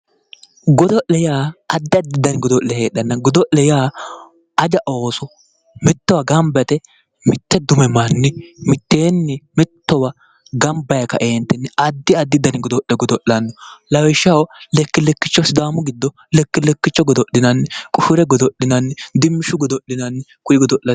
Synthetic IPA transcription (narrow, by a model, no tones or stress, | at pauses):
ɡɔd̪ɔʔlɛjaːɐd̪ːɪɐd̪ːɪd̪ɐnɪɡɔd̪ɔʔlɛheːɗɐnːɐɡɔd̪ɔʔlɛjaː | ɐd͡ʒɐʔoːsɔ | mɪt̪ːɔwɐɡɐmbɛt̪ɛ | mɪt̪ːɛd̪ʊmɛmɐnːɪmɪt̪ːeːnːɪmɪt̪ːɔwɐ | ɡɐmbɐjɐkɐ̰ʔeːnt̪ːɛnːɪɐd̪ːɪɐd̪ːɪd̪ːɐnɪɡɔd̪ɔʔɛɡɔd̪ɔʔɐnːɔlɐwɛʃɐwlɛkːɪlɛkːɪt͡ʃːɔsɪd̪aːmʊɡɪd̪ːɔ | lɛkːɪlɛkːɪt͡ʃːɔɡɔd̪ɔɗɪnɐnːɪkʼʊʃʊɾɛɡɔd̪ɔɗɪnɐnːɪd̪ɪmːɪʃʊɡɔd̪ɔʔːɪnɐnːɪkʊjɪɡɔd̪ɔʔlɐ